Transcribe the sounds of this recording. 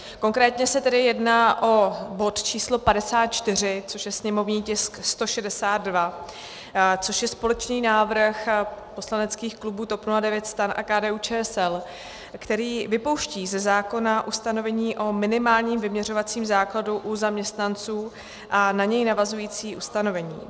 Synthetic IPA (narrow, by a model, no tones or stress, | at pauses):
ko̞ŋkɾɛːt̪ɲɛsɛt̪ɛdɪjɛdnaːʔo̞bo̞t̪t͡ʃiːslo̞padɛsaːt̪̚t͡ʃt̪ɪr̝ɪt͡so̞ʃjɛsɲɛmo̞vɲiːcɪskst̪o̞ʃɛdɛsaːd̪va | t͡so̞ʃjɛspo̞lɛt͡ʃniːnaːvrxpo̞slanɛt͡skiːxklubuːt̪o̞pnuladɛvjɛt̪st̪ɾanʔa̰kaːdɛːuːt͡ʃɛːsɛl | kt̪ɛɾiːvɪpo̞wʃciːzɛzaːko̞naʔust̪ano̞vɛɲiːʔo̞mɪnɪmaːlɲiːmvɪmɲɛr̝o̞vat͡siːmzaːkladuʔuzamɲɛst̪nant͡suː | ʔanaɲɛjnavazujiːt͡siːʔust̪ano̞vɛɲḭː